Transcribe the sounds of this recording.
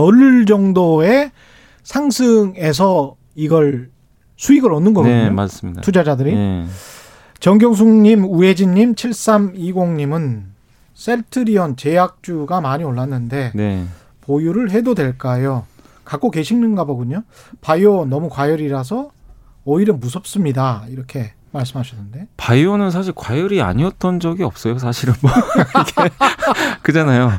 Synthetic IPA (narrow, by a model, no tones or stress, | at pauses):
ʌɭd͡ʑʌŋdoe̞ | sʰaŋsʰɯŋe̞s̬ʰʌ | iɡʌɭ | sʰuiɡɯɾʌnːɯnɡʌɡɲoasitʰud͡ʑad͡ʑadɯɾi | t͡ɕʌŋɡjʌŋs̬ʰuŋɲimued͡ʑiɲːimt͡ɕʰiɭs͈amiɡoŋɲimɯn | s͈e̞ɭtʰɯɾiʌnt͡ɕe̞jak̚t͡ɕ͈uɡamaɲioɭːanːɯnde̞ | pojuɾɯɭɦe̞dodwe̞ɭk͈ajo | kak͈oke̞ɕʰiŋnɯnɡaboɡuɲopajonʌmukwajʌɾiɾas̬ʰʌː | iɾʌnmusʰʌp̚s͈ɯmɲidaiɾʌkʰe̞ | maɭs͈ɯmɦaɕʰʌnːɯnde̞pajonɯnsʰaɕ̬ʰiɭkwajʌɾia̰ɲiʌt͈ʌnd͡ʑʌɡiʌp̚s͈ʌjos̬ʰaɕʰiɾɯnmʌɡe | kɯd͡ʑanajo